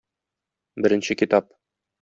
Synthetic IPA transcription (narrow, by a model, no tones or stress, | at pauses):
bɘ̆ɾɘ̆nɕɘkʲit̪ɑp̚